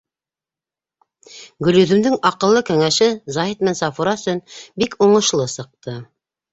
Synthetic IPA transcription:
ɡɵ̆lɵ̆ðɵ̆md̪ɘŋɑqɤ̆lˠːɤkæŋæʃɘzɑɦit̪mænsɑfuɾɑsɵnbikʰuɴɤ̆ʃlˠɤsɤ̆q̚t̪ɤ

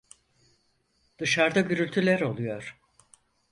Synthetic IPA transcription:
d̪̥ɯʃaɾd̪aɟyɾylʲt̪ʰylʲæɾo̞lˠujo̞ɾ̥

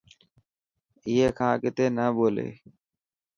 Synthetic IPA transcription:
ɪːɦeːkʰãːkɪt̪eːnəːɓoːlḛː

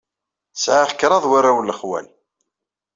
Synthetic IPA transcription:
sʕaχkɾˤɑðˤwaɾawlːəχwæ̰l

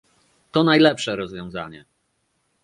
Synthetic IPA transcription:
t̪ɔnajlɛpʂɛɾɔzvʲjɔ̃w̃za̰ɲɛ̰

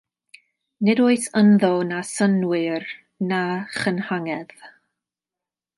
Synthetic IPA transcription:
nɪdoːɨθənðɔnasənwɨr | naχənhaŋɛð̥

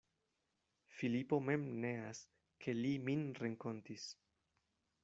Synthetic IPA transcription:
filipo̞me̞mne̞as | kʰe̞liminɾeŋko̞ntis

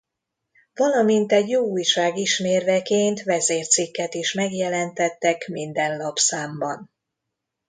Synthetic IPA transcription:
vɒlɒmint̪ɛɟjoːuːjʃaːɡiʃmeːrvɛkeːnt̪ʋɛzeːrt̪sikːɛt̪iʃmɛɡjɛlɛnt̪ɛt̪ːɛkmind̪ɛnlɒpsaːmbɒn

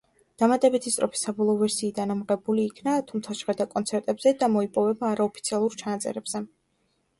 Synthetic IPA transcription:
d̪̥amat̪ʼɛbit̪ʰist̪ʼɾɔpʰi̥sabɔlˠɔːvɛɾsiːd̪anamʁɛbuliːkʰnat̪ʰumt̪sʰaʃʁɛɾd̪akʼɔnt̪sʰɛɾt̪ʼɛbz̥ɛd̪amɔipʼɔvɛbaːɾaɔpʰi̥t̪sʰialˠuɾt͡ʃʰanat̪sʼɛ̰ɾɛbz̥ɛ

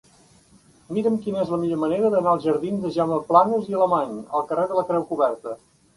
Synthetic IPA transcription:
miɾəmkinəezləmiʎoməneɾəðənaəlˠʒəɾðinzd̪ðəʒaməplanəziələmaɲəlˠkəreðələkɾɛwkuβɛrt̪ə

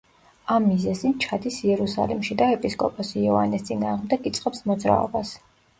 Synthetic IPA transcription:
amːizɛzint͡ʃʰad̪isiɛɾusa̰limʃid̪aɛpʼiskʼɔpʼɔsiɔva̰nist̪sʼinaːʁmd̪ɛkit̪sʼqʼɛpsmɔd̪zɾa̰ɔ̰bas

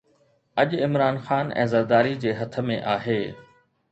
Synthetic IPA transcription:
ɐʄɪmɾaːnxaːnɛ̰̃ːzɐɾd̪aːɾid͡ʑeːɦɐt̪ʰə̆mẽʔaːɦeː

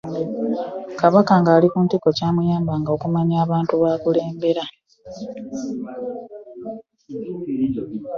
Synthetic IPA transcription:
kaβakaŋɡaːlikuntiko̞caːmujaːmbaŋɡaokumaɲaːβaːntuβaːkule̞ːmbe̞ɾa

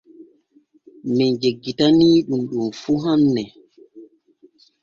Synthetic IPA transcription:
mɛnd͡ʒeɡːitaniːɗumɗumfuɦanːɛ

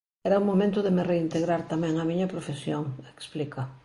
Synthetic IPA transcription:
ɛɾɐuŋmːomẽnt̪ʊðemɪreint̪eɣɾaɾt̪amɛ̃ŋɐmiɲɐpɾofesjoŋeksplikɐ

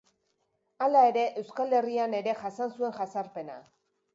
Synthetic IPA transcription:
alae̞ɾe̞ʔewskale̞riane̞ɾe̞ʝasansue̞ŋʝasaɾpe̞na̰

